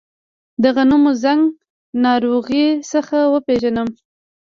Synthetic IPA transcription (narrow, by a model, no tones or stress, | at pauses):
d̪aɣanumozaŋɡ | nɑɾoɣisəxawəpeʒanəm